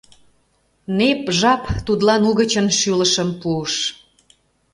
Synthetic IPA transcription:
nepʒɑpt̪ud̪lɑnuɣət͡ɕənʃyləʃəmpuəʃ

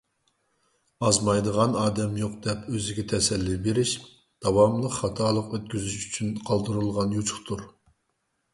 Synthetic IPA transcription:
ɑzmɑjd̪əʁɑnɑːd̪ɛmjoqd̪ɛpʰøzɪɡʲɛt̪ʰɛsɛlːybeɾɪʃ | d̪̥ɑwɑmlˠəqχɑt̪ʰɑːlˠəqøt̪̚kʲyzyʃy̥t͡ʃʰynqʰɑlˠd̪ɨɾɨlˠʁɑnjut͡ʃʰʊ̥χt̪ʰuɾ

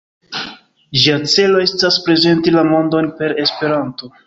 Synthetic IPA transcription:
d͡ʒiat͡se̞lo̞e̞staspɾe̞ze̞ntilamo̞ndo̞npe̞ɾe̞spe̞ɾanto̞

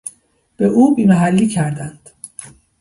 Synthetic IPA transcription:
b̥eʔuːbiːmæɦælːiːcʰæɾd̪ænd̪̥

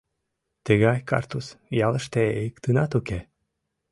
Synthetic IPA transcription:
t̪əɣɑjkɑ̰rt̪usjɑlˠə̆ʃt̪eejəkt̪ɨnɑt̪uke

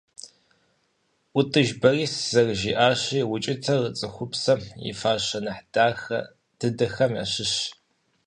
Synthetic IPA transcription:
ʔʷʊtʼɨʒbɐriːsz̥ɐrʒiːʔaːɕiːwʊt͡ʃʼɪtʰɐrət͡sʼɨxʷʊpsɐḭfaːɕɐnɨħdaːxɐ̰ | d̥ɨdɐxɐmja̰ːɕɪɕ

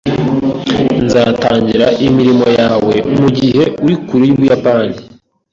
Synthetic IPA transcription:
nzaːtaːɲɟiɾaʔimiɾimo̞jaːwe̞umuɟihe̞uɾikuɾujuβujapani

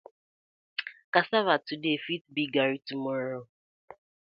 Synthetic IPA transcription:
kasavatudefit̚biɡaɾitumɔɾo

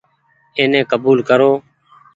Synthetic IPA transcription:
ẽːnɛ̃ːkəbuːlkəɾoː

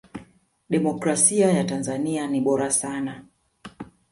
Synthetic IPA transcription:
ɗɛmɔkɾasiajatanzanianiɓɔɾasana

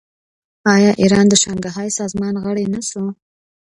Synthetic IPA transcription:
ɑjɑʔiɾɑnd̪əʃɑŋɡaɦɑjsɑzmɑnɣəɽenasu

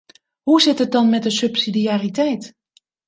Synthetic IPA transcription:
husɪtət̚dɔnmɛt̚dəsøpsidiaritɛjt

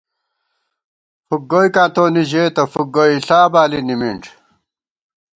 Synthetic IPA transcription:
fuk̚ɡoikãːt̪oːniʑeːt̪ɐfuk̚ɡoiɬaːbaːlinimiɳʈ͡ʂ

